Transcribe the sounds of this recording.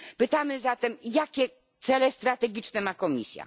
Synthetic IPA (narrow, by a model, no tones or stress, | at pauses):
pɘt̪amɘzat̪ɛmjakʲɛ | t̪sɛlɛst̪ɾat̪ɛɡʲit͡ʂnɛmakɔmʲḭsʲja̰